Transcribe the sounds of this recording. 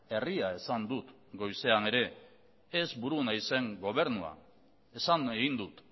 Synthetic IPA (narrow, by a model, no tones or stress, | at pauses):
e̞riae̞sand̪ut̪ | ɡo̞jse̞ane̞ɾe̞ː | zbuɾunajse̞ŋɡo̞β̞e̞ɾnua̰ | e̞saneɣind̪ut̪